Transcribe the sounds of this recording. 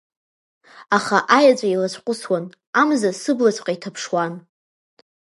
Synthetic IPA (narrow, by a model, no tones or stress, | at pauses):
aχaʔajat͡ɕʷʼailat͡ɕʷʰʼqʷʼʊswan | amzasɨblat͡ɕʷʰʼqʼaitʰapʰʂwan